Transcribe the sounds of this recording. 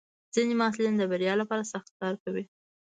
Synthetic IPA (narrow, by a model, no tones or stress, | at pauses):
z̥inemɑs̬lind̪əbaɾjɑlapɑɾasaxt̪̚kɑɾkawi